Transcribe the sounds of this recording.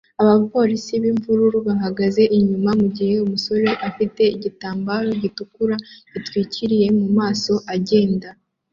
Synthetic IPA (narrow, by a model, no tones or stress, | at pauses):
aβapo̞ːɾisiβiɱvuɾuɾuβaɦaɡaze̞ʔiɲumamuɟihe̞umuso̞ɾe̞ʔafite̞iɟitaːmbaːɾo̞ɟitukuɾaβ̥itwiːciɾije̞mumaːso̞ʔaɟe̞ːnda